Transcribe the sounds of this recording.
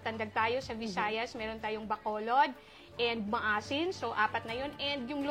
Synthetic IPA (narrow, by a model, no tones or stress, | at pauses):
t̪ɐnd̪ɐɡ̚t̪aːjo̞sɐbɪsaːjɐsmɛːɾo̞nt̪aːjoŋbɐkoːlo̞d̪̚ | ʔɛnd̪̚mɐʔaːsɪnsoʔaːpɐt̪̚nɐjo̞nɛnd̪jʊŋl